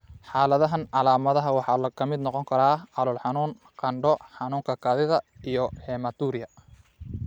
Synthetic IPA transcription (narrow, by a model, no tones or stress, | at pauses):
ħɑːlɐðɐɦɐnʕɑlaːmɐðɐɦɐwɑħɑːlɐkʰɐmɪd̪nɔqɔŋkʰɐɾaːʔɑlʊlħɑnuːn | qɑɳɖɔħɑnuːŋkʰɐkʰaːðɪðɐijɔħɛːmɐt̪uːɾɪjɐ